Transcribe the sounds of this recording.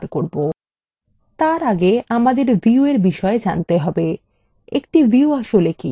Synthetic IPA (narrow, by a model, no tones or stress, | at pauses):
ɾkoɾbo | t̪aɾaɡeʔamad̪eɾviueɾbiʃɔed͡ʑant̪eɦɔbe | ekʈiviuaʃolekḭ